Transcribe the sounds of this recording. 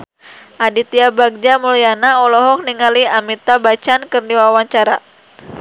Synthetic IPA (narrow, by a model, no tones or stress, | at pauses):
ʔadit̪iabaɡ̚d͡ʒamulijanaɔlɔɦɔk̚niŋaliamit̪abat͡ʃankɨrdiwawaɲt͡ʃaɾa